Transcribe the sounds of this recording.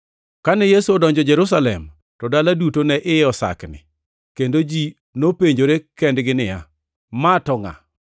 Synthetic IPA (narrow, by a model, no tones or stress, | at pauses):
kanɛjesuɔdɔɲd͡ʒɔd͡ʒɛɾus̬alɛ̰m | tɔdaladutonɛʔɪɔsa̰knɪ̰ | kendod͡ʒi | nopeɲd͡ʒoɾekɛndɡɪnɪja̰ | matɔŋa̰